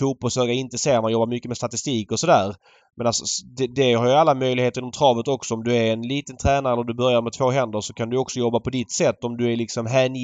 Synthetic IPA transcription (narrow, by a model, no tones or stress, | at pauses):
fuːt̪̚bɔlsøːɡaɾɪnt̪əseːmanjɔbːamʏkːəmɛst̪at̪ɪst̪iːkɔsɔd̪æːɾ | mɛnalsɔd̪ɛd̪ɛhaɾjɵalːamœjlɪɡheːt̪əɾɪnɔmt̪ʰɾɑːvət̪ɔksɔɔmd̪ɵæɾɛnliːt̪ənt̪ʰɾɛːnaɾɛlːɾɔd̪ɵbœɾjaɾmɛt̪ʰvoːɦɛnd̪əɾʂɔkʰand̪ɵjɔksɔjɔbːapʰɔd̪ɪt̪sɛt̪ːɔmd̪ɵæɾlɪksɔmɦæːn